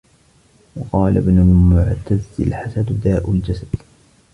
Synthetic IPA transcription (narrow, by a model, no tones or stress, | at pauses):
wɑqɑːla̰bnʊlmʊʕt̪azɪ̰lħasad̪d̪aːʔʊld͡ʒasad̪̥